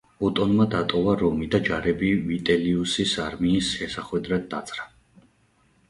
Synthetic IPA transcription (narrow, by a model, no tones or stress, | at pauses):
ɔt̪ʼɔnmad̪at̪ʼɔvaɾɔmid̪ad͡ʒaɾɛbivit̪ʼɛliusisaɾmiːsʃɛsaχwɛd̪ɾad̪̚ːat̪sʼɾa